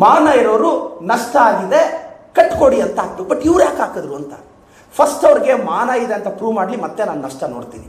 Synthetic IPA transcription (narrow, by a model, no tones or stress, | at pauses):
maːnaːjɐɾoːɾunɐʂʈɐaːɡid̪e̞kɐʈːkoːɽiɐnt̪ɐaːɡt̪ubɐʈːiʋɾjaːkaːkɐd̪ɾuɐnt̪ɐ̥ | pʰɐsʈɐʋɾiɡe̞maːnaːjid̪eɐnt̪ɐpɾuːʋmaːɽlimɐt̪ːe̞naːnunɐʂʈɐnoːɽt̪ḭːni